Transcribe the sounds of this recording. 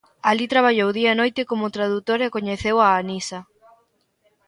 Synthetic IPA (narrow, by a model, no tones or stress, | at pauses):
alit̪ɾaβ̞aʎowðiɐenojt̪ɪkomʊt̪ɾaðut̪oɾekoɲeθewaːnisɐ